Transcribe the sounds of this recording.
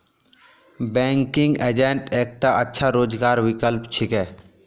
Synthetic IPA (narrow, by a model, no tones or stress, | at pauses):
bɛ̃ːŋkɪ̃ŋɡeːd͡ʒẽɳʈeːk̚t̪aʔətːʃʰaɾoːd͡ʒɡaːɾwɪkəlpt͡ʃʰɪkɛː